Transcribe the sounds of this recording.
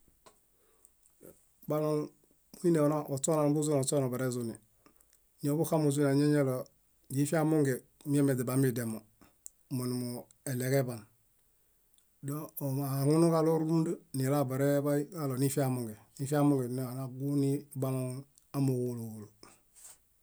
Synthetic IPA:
ba˦lo˨ŋ | mu˦i˦ne˨o˨na˦o˨so˦na˨nbu˦z̬u˦no˨so˦na˨ba˨ɾe˦zu˦ni˨ | ɲo˨˦bu˦ka˦mu˨z̬u˦na˨ɲe˦ɲe˦lo˨ | ɟi˦fi˦a˦mo˦ŋɡe˨ | mi˦e˦me˨de˨ba˨mi˨de˨mo˨ | mo˨nu˨mo˨ | e˨le˨ke˦ba˨n | do˦˨a˨ŋu˦nu˦ka˦lo˦ɾu˦mdu˦ni˨la˦ba˨ɾe˦ba˦i˦ka˦lo˨ni˦fi˦a˦mo˨ŋɡe˨ni˦fi˦a˦mo˦ŋɡe˨n˦a˨na˨ɡu˦ni˦ba˦lo˦ŋ | a˦mo˨wulu˨ɡu˨lu˨

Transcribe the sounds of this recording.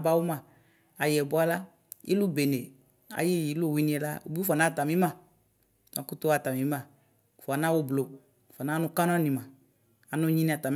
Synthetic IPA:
ba˦wu˦mã˨ | a˨jɛ˨bʊ˦a˦la˦ | ḭ˦lu˦be˨ne˨ | a̰˨ji˦˨ji˨˦lu˦˨wi˨˦nĩ˦ɛ˧la̰˦o̰˨bi˦fa˨na˦˨ta˨mĩ˨˦mã˦˨ | na˨˦kʊ˦tʊ˦a˦˨ta˨mĩ˨˦mã˦˨ | fɔ˨a˨na˦wo˦blo˨ | fa˨na˦nʊ˦ka˦n˦a˦nĩ˨mã˨ | a˨nʊ˦ɲi˦nĩ˦a˨ta˨m˦

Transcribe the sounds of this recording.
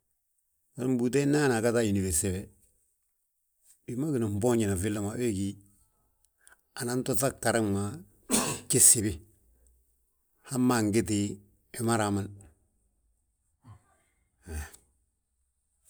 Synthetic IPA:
a˨ɾm˦bu˨te˦na˦na˨ka˦ta˦i˨ni˨we˨sɛ˦˨wɛ˨ | di˨ma˦ɡɪ˨na˨m̩˨bɔ˦ɲi˨na˨fɪ˦lːa˦ma˨we˦ki˦ | a˨na˨˦n˦to˦ta˦kːa˨ɾɪ˦ŋma˨ | kɪ˦sɪ˨bɪ˦ | ha˦mːa˨ŋɡɪ˦t̬ɪ˨ | ɪ˨ma˦ɾa˨ma˦˨n˨

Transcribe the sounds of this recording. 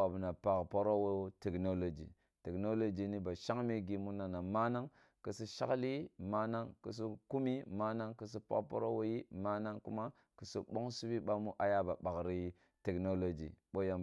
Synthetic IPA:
a˨bna˨pa˨kpo˦ɾo˦wo˦te˨kno˦lo˨d͡ʒḭ˨ | te˨kno˦lo˦d͡ʒi˨ni˦ba˨ʃa˦ŋme˦ɡi˦mu˦na˨na˨ma˦na˦ŋ | kə˨si˦ʃa̰˦kli˦ma˦na˦ŋkṵ˨s̬u˦ku˦mi˦ma˦na˦ŋkə˨s̬i˦pa̰˦kpo̰˦ɾo˦wo˦ji˦ma˦na˦ŋkṵ˦ma˦ | kə˨su˦ɓo˦ŋsu˦bi˦ɓa˦mu˦ʔa˨ja˦ba˨ɓa˨kɾi˦ | te˨kno˦lo˦d͡ʒḭ˨ɓo˦ja˨

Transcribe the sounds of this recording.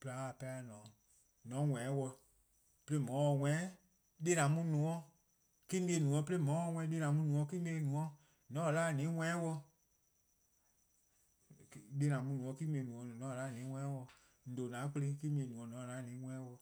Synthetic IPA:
pla˧˦˨pɛ˧˦˧nɔ̃ː˨˦ | nɔ̃˨˦wɛ̃˨˦wɔ˧ | pe˧le˦mɔ̃˨˦wɔ˧˨wɛ̃˦ | de˦nã˨˦mũ˧˦nũ˨ɔ̃˦ | ki˦mĩ˧e˧nũ˨ɔ̃˧˦pe˦le˦mɔ̃˨˦wɔ˧˨wʷɛ̃˧˦de˦nã˨˦mũ˧˦nũ˨˧ɔ̃˧˦ki˦m˧ẽ˧˦nũ˨ɔ̃˧˦ | nɔ̃˨˦˨laː˦˨nĩː˨˦wʷɛ̃˦ɛ̃˦wɔ˧ | de˧˦nã˨mũ˧˦nũ˨ɔ̃˧˦ki˦mĩ˧ẽ˧˦nũ˨ɔ̃˧˨nɔ̃˨˦˧la˦˨nĩː˨˦wʷɛ̃˦wɔ˧ | n̩˨do˨nã˨˦ke˧le˧˦ki˦mĩ˧ẽ˧˨nũ˨ɔ̃˧nɔ̃˨˦˨la˨˦˨nĩː˨˦wʷɛ̃˦wɔ˧

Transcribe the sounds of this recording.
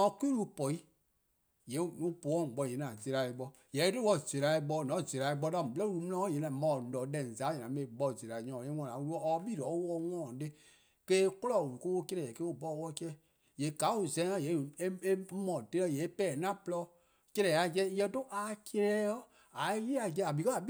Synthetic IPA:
ɔ̃˨kʷi˦lu˦pɔ˨i˦ | je˨˦u˦po˨˦ɔ̃˦˨ɡ͡bɔ˧˨je˨˦nã˨ze˧ɾa˨e˧˨ɡ͡bɔ˧ | jɛ˨˦te˦wɔ˦˨ze˨ɾa˨e˧ɓɔ˧˦˨nɔ̃˨˦˨ze˨ɾa˨i˧˦ɡ͡bɔ˧˦dã˦˨blɔ˦u˧lu˨˧˦mũ˦lã˦ɔ˦je˨˦nã˨mã˨ɔ˨dɛ̃˨za˨˦ɲɛ̃˨ã˨˦mẽ˨ɓɔ˧˦˨ze˨ɾa˨ɲɔ̃˨ẽ˦wɔ̃˧˨ã˨wu˦ɾu˦ɔ˦ɔ˧˦bi˦˨ɾɔ˨˦wɔ˧˦wɔ̃˦˨de˦ | keː˦ko˦lɔ˦˨u˨u˨ko˦wo˦ke˦ɾɛ˨ɛ˨ke˦u˦˨bɔ˦˨wɔ˧kɛ˦ | je˨˦˨ka˨˦u˨zɛ̃˨˦ŋã˦˨je˨˦˨e˦e˦mɔ̃˨te˦ɔ˦˨je˨˦pɛː˦˨nã˦˨plɔ˦ | ke˧ɾɛ˨a˦kɛ˦jɛ̃˧˦to˦ʔa˨ke˧ɾɛ˦jɔ˦ | a˨˦ji˦a˨d͡ʒɛ˧˦˨a˨bi˨kɔ˦a˨˦

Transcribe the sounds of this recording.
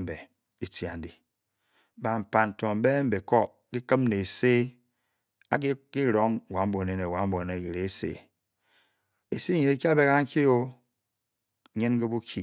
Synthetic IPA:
m̩˨be˨ | i˨tja̰˨n̩˨di˨ | ba˨m̩˨pa˨n̩˨to˨m̩˨˦be˦m̩˦be˨ko˦ | ki˦kɨ˦mne˨e˨se˦ | a˦ki˦ɾo˨˦ŋ˨wa˨˦m̩˦bo˨ne˨˦ne˨wa˨m̩˦bo˨ne˨ki˨ɾe˨˦sḛ˦˨ | e˨si˦ɲe˨e˦ki˦a˦be˦ɣa˦ŋ̩˦ki˦o˦˨ | ɲe˦nɡe˦bu˦kʰi˦

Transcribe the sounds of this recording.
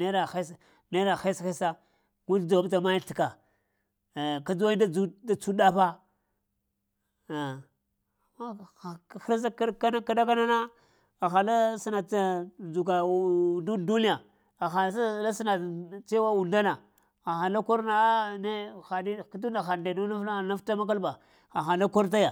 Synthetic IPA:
ne˦da˨xa˦s | ne˦ɾa˨xe˦sxe˦sa˦ | ɡu˦dda˨wa˦bt̬a˨ma˦ji˦ɬi˨ka˨ | ka˦d͡zu˦wa˦i˦da˦u˦da˦t͡su˦da˦pa˦˨ | ma˦˨xi˦ɾza˦kka˦na˦ka˦da˦k̬a˦na˦na˦ | a˨xa˨la˦si˦na˨a˦u˨k̬a˨du˦du˦ni˦a˨ | a˨xa˨˦sa˦la˦si˦na˨t͡se˦wa˦u˨nda˦na˨ | a˨xa˨la˦ko˦ɾna˨a˦ne˦xa˨ni˦ka˦tu˦na˨xa˨de˨nu˦na˦fa˦˨na˦fta˦ma˦k̬a˦lba˨ | xa˨xa˨la˦ko˦ɾt̬a˦ja˨

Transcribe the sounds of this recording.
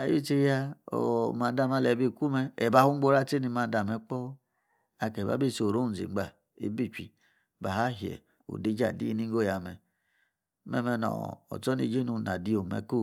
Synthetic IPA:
a˨ji˦˨t͡ʃe˧ja˧o̰˨ma˨˦da˧˨ma˧˨lɛ˨bi˦˧˨ku˦mɛ˧ɛ˨ba˨˧hu˦ŋ͡mɡ͡bo˦ɾa˦te˦ni˧ma˨˧˨da˨mɛ˧˦k͡pɔ˦ | a˧kɛ˨ba̰˨˦be˦˨so˨ɾo˦u˦˨zḭ˨˦ɡ͡ba˨ | ḛ˦bi˦˨t͡ʃi˨ | ba˨a˦ɦɛ̰˨ | o̰˨de˦d͡ʒa̰˨dḭ˦ni˦ŋ˦ɡo˦˨ja˨mɛ˨ | mɛ̰˧mɛ˧nɔ̰˨ɔ̰˨t͡sɔ˦nḭ˧˨˦d͡ʒe˦nu˧˨na˨di˦o˨mɛ̰˨ko˦˨

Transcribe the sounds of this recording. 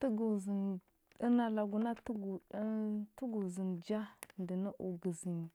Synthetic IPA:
tə˦ɡu˨zi˨n | i˦na˨la˨ɡu˨na˦tu˦ɡu˨˦tu˦ɡu˨zi˨nd͡ʒa˦ndə˨na˦ʔu˨ɡə˨zi˨n˨

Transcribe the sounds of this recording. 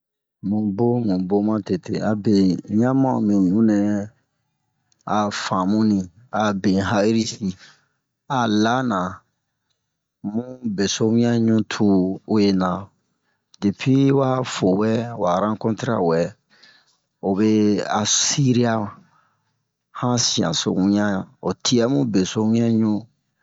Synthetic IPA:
mũ˨bo˦mũ˨bo˦mã˦te˨te˨a˨bẽ˨jã˦mã˦˨mĩ˨ɲũ˦nɛ˦ | a˨fã˨mũ˦nĩ˨ | a˨bẽ˨ɦa˦ɾi˦si˨ | a˨la˦nã˨ | mũ˦be˨so˦mũ˦ja˦ɲũ˦tʰuː˦je˦nã˨ | de˨pi˦wa˦fo˨wɛ˦wa˨ɾã˦kɔ̃˦ti˦ɾa̰˦wɛ˨ | o˨be˦a˨si˦ɾi˦a˦ | hã˦si˨ã̰˨so̰˨ũ˦ã˦˨o˨tʰi˦a˦mũ˦be˨so˦mĩ˦a˦ɲũ˦

